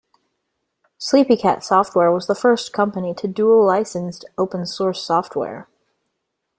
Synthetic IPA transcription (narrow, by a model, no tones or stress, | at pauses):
slipikʰæ̰tsɔft̚wɛɹwʌzðəfɜ˞skʰʌ̃mpɨniɾɨdulaɪsɨ̃nstoʊpə̃n̩sɔɹsɔft̚wɛ̰ɹ